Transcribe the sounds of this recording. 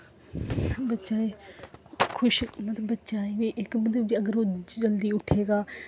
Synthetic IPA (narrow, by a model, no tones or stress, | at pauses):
bətːʃaːeː | kʰʊʃmət̪əbətːʃaːeʋiːʔɪkbəd̪əd͡ʒiːəɡəɾoːd͡ʒəld̪iːʊʈʰeːɡaː